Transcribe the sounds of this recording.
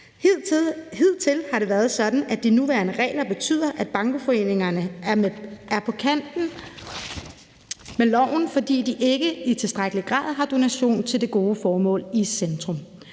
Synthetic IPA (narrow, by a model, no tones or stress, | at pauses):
heð̞̰ˠt͡sʰe̝lhɑ̈ɾe̝ʋæɐðˠsɒ̽d̥n̩ʔæd̥inuʋæ̰ːɐnəʁɛ̰ːlɐb̥e̝t͡sʰy̰ːð̞̰ˠɐʔæd̥̚b̥ɑ̈ŋɡ̥əfɒ̽e̝̰ne̝ŋɐnəæɐæɐpʰɒ̽kʰæn̰d̥n̩ | melɒʊ̰n̩fɒ̽d̥ḭːd̥iʔe̝ɡ̥əit͡sʰe̝sd̥ʁaɡ̥əliɡ̥ʁɑ̰̈ːð̞ˠɦɑ̈d̥o̝næɕo̝̰ːnt͡sʰe̝ld̥e̝ɡ̥o̝ːəfɒːmɔ̰̽ːlisend̥ʁɔ̽m